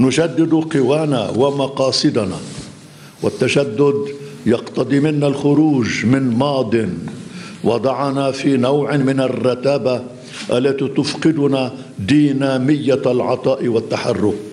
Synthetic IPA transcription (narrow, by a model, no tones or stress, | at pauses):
nʊʒad̪ːɪd̪qɪwaːna̰wamɑqɑːsˤɨd̪ana̰ | wat̪ːaʃad̪ːʊd̪jɑqt̪ɑd̪ˤiːmɪnːalxʊɾuːʒmɪnmɑːd̪ˤɨn | wɑd̪ˤɑʕɑnafiːnawʕmɪnarːɑt̪aːba | ʔalːat̪it̪ʊfqɨd̪ʊna | d̪iːnaːmɪjːalʕɑ̰t̪ˤɑːʔɪwat̪ːaħarːʊk